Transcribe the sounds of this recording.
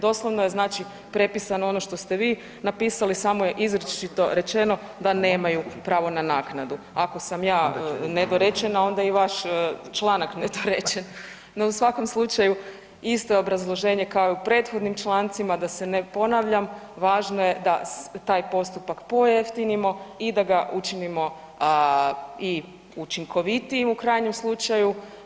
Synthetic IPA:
d̪o̞slˠoʋno̞je̞znaːt͡ʃi | pɾe̞pisanoono̞ʃt̪o̞st̪e̞ʋiː | napiːsalisaːmojeʔizɾut͡ʃit̪o̞ɾe̞t͡ʃe̞no̞ | d̪ane̞ːmajupɾaːʋo̞nanaːknad̪u | ako̞samjaːned̪oɾet͡ʃenao̞nd̪aiʋaʃt͡ʃlˠanakned̪oɾet͡ʃen | no̞usʋako̞mslˠut͡ʃaju | ist̪o̞jeo̞bɾazlˠo̞ʒe̞ːɲe̞kaojupɾe̞ːt̪xo̞d̪nimt͡ʃlˠaːnt̪simad̪ase̞nepo̞naʋʎamʋaːʒnoje̞d̪at̪aːjpo̞st̪upakpo̞jeft̪inimo̞id̪aɡaʔut͡ʃinimo̞ | i | ut͡ʃiŋkʰo̞ʋit̪iimukɾaːjɲe̞mslˠut͡ʃaju

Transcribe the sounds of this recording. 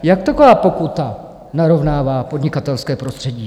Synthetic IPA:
jakt̪ako̞vaːpo̞kut̪a | naɾo̞vnaːvaːpodɲɪkat̪ɛlskɛːpɾo̞st̪r̝̥ɛɟiː

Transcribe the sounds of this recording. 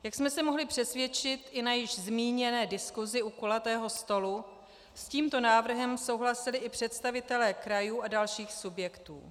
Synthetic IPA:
jaksmɛsɛmo̞ɦlɪpr̥ɛsvjɛt͡ʃɪt̪ʔɪnajɪʒzmiːɲɛnɛːdɪskuzɪʔukolat̪ɛːɦo̞st̪o̞lu | sciːmt̪o̞naːvr̩ɦɛmso̞wɦlasɪlɪʔɪpr̝̥ɛt̪st̪avɪt̪ɛlɛːkɾajuːʔadalʃiːxsubjɛkt̪ṵː

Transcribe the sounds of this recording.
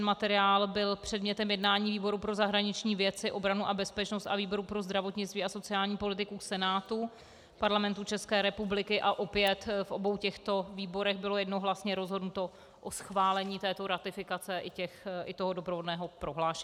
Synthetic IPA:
nmat̪ɛɾɪaːlbɪlpr̥ɛdmɲɛt̪ɛmjɛdnaːɲiːviːbo̞ɾupɾo̞zaɦɾaɲɪt͡ʃɲiːvjɛt͡sɪʔo̞bɾanuʔabɛspɛt͡ʃno̞st̪aviːbo̞ɾupɾo̞zd̪ɾavo̞t̪ɲɪt͡st̪viːaso̞t͡sɪaːlɲiːpo̞lɪt̪ɪkusɛnaːt̪u | paɾlamɛnt̪ut͡ʃɛskɛːɾɛpublɪkɪʔaʔo̞pɪjɛt̪fʔo̞bo̞wcɛxt̪o̞viːbo̞ɾɛxbɪlo̞jɛdnoɦlasɲɛɾo̞zɦo̞dnut̪o̞ | ʔosxvaːlɛɲiːt̪ɛːt̪o̞ɾat̪ɪfɪkat͡sɛʔɪcɛxʔɪt̪o̞ɦodo̞pɾovo̞dnɛːɦo̞pɾo̞ɦlaːʃɛ

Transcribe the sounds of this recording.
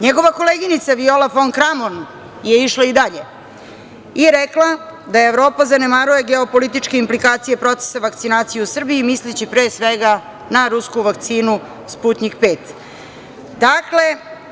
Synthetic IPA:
ɲeɡo̞ʋako̞leːɡinit̪saʋio̞lafoŋkɾamon | je̞iʃlaid̪aʎe̞ | iɾeklad̪ajeːʋɾo̞ːpazane̞maɾuje̞ɡeo̞po̞lit̪it͡ʃke̞implikaːt̪sije̞pɾo̞t̪se̥saʋakt̪sinaːt̪sijeusr̩biːmislit͡ɕipɾeːsʋeɡa | naɾuskuʋak̚t̪siːnu | spuːt̪nikpe̞ːt̪ | d̪akle̞

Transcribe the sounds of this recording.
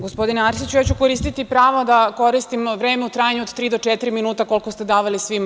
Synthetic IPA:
ɡo̞spo̞d̪ineaɾsit͡ɕujaːt͡ɕukoɾiːst̪it̪ipɾaːʋod̪ako̞ɾist̪imʋɾeːmeut̪ɾaːjaɲuod̪t̪ɾiːd̪ot͡ʂɛt̪iɾiminuːt̪ako̞lkost̪ed̪aːʋalisʋim

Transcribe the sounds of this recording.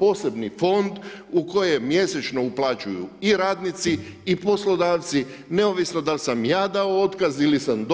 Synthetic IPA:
po̞ːse̞bnifo̞nd̪uko̞jemje̞set͡ʃno̞uplˠaːt͡ʃujṵiɾaːd̪nit̪siː | po̞slo̞d̪aːʋt̪si | ne̞oʋisno̞d̪alsamjaːd̪aoot̪kazilisamd̪

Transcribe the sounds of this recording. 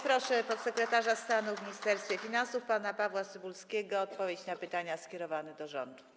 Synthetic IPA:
pɾɔʂɛpɔt̪sɛkɾɛt̪aʐast̪anuvmʲiɲist̪ɛɾst̪fʲjɛfʲinansufpanapavwasɘbulskʲɛɡɔːt̪̚pɔvʲjet͡ɕnapɘt̪aɲaskʲɛɾɔvanɛd̪ɔʐɔ̰nd̪u

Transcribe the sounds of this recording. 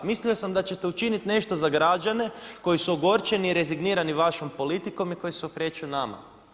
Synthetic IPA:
mislio̞samd̪at͡ɕe̞t̪e̞ut͡ʃinit̪ne̞ʃt̪o̞zaɡɾad͡ʒane̞ko̞jisuoɡo̞ɾt͡ʃe̞niːɾe̞ziɡniːɾaniʋaʃo̞mpo̞lit̪iko̞miko̞jiseokɾe̞t͡ʃuunama̰

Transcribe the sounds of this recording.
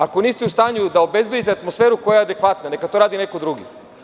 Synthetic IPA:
akoniːst̪ɛust̪aːɲud̪aobezbje̞d̪it̪eat̪mosfeːɾukojajaead̪ekʋat̪nanekat̪o̞ɾaːd̪inekod̪ɾuɡḭ

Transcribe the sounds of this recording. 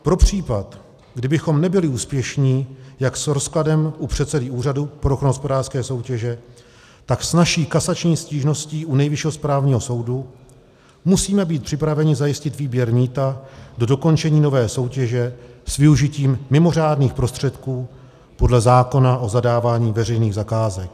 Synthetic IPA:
pɾo̞pr̝̥iːpat̪ | ɡdɪbɪxo̞mnɛbɪlɪuːspjɛʃɲiːjaksɾo̞skladɛmʔupr̝̥ɛt̪sɛdɪuːradupɾoxnoɦospo̞daːrskɛːso̞wcɛʒɛ | t̪aksnaʃiːkasat͡ʃɲiːsciːʒno̞sciːʔunɛjvɪʃɛɦospɾaːvɲiːɦo̞so̞wdu | musiːmɛbiːt̪̚pr̝̥ɪpɾavɛɲɪzajɪscɪt̪viːbjɛɾmiːt̪ado̞do̞ko̞nt͡ʃɛɲiːno̞vɛːso̞wcɛʒɛsvɪuʒɪciːmːɪmo̞r̝aːdniːxpɾo̞st̪r̝̥ɛt̪kuː | po̞dlɛzaːko̞naʔo̞zadaːvaːɲiːvɛrɛjniːɣzakaːzɛk̚

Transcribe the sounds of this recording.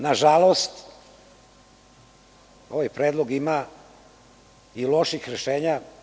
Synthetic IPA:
naʒalˠost̪ | o̞ʋajpɾeːd̪lˠo̞ɡima | ilˠo̞ʃixɾeʃeːɲa

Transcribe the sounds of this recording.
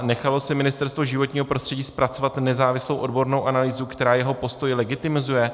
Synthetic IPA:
nɛxalo̞sɪmɪnɪst̪ɛɾst̪voʒɪvo̞t̪ɲiːɦo̞pɾost̪r̝̥ɛɟiːspɾat͡so̞vat̪nɛzaːvɪslo̞wʔo̞dbo̞ɾnowʔanaliːzukt̪ɛɾaːjɛɦo̞po̞st̪ojlɛɡɪt̪ɪmɪzujɛ

